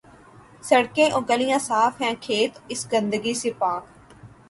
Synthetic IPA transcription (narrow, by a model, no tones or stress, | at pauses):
sɐɽkẽːʔõːɡəlɪjãːsaːfɦɛ̃ːkʰeːt̪ɪsɡə̃nd̪əɡiseːpaːk